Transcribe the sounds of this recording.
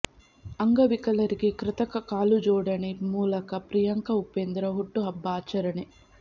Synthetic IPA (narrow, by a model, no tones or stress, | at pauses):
ɐŋɡɐʋikɐlɐɾikikɾɪt̪ɐkɐkaːlud͡ʒɔːɽɐnimuːlɐkɐpɾijɐŋkɐupːend̪ɾɐɦuʈːuɦɐbːaːt͡ʃɐɾɐɳi